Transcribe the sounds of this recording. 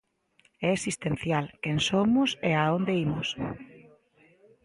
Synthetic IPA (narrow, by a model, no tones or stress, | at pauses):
ɛesist̪en̟θjalkensomʊseaond̪eimʊs